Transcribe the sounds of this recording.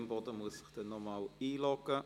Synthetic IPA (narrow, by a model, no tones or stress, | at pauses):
mbɔdəmuəsəχd̥ənɔmawiːlɔɡə